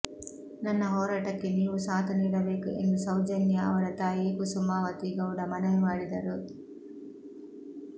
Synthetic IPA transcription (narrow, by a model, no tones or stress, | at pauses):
nɐnːɐɦɔːɾaːʈɐkːeniːʋusaːt̪ɐniːɽɐbeːkuʔe̞̰nd̪usɐwd͡ʒɐnjɐɐ̰ʋɐɾɐt̪aːjeːkusumaːʋɐt̪iɡɐwɽɐmɐnɐjmaːɽid̪ɐɾu